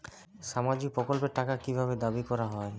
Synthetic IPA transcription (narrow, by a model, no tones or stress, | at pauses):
ʃamad͡ʑik̚pɾokolpeɾʈakakibʱabed̪abikɔɾaɦɔe